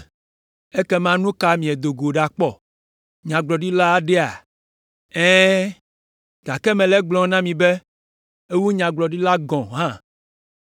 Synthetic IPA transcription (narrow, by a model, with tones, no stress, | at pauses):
e˦kɛ˦mã˦nũ˦ka˦mĩ˨ɛ˨d̪o˨ɡo˨ɖa˨k͡pɔ˨ | ɲã˨ɡ͡blɔ˨ɖi˦la˦ɖɛ˦a̰˨ | ɛ̃˦ | ɡ̥a˨kɛ˦mɛ̃˨lɛ˦ɡ͡blɔ̃˨˦nã˦mĩ˨be˦ | e˦wu˦ɲã˨ɡ͡blɔ˨ɖi˦la˦ɡɔ̃˨ɦã˦